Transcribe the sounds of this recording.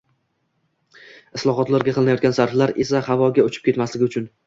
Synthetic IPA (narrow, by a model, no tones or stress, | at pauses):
ɪslˠɒɦɒt̪laɾɡʲaqʰɨlˠɪnjɒt̪̚ɡʲansaɾflaɾe̞sahavɒɡʲaʊt͡ʃʰɪ̥p̚kʰʲe̞t̪maslɪɡʲɪʊt͡ʃʰʊn